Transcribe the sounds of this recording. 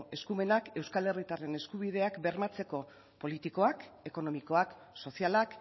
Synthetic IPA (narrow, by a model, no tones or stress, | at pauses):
e̞skume̞nake̞wskale̞rit̪are̞ne̞skuβiðe̞akbe̞ɾmat͡se̞ko̞ | po̞lit̪iko̞ake̞ko̞no̞miko̞ak | so̞sialak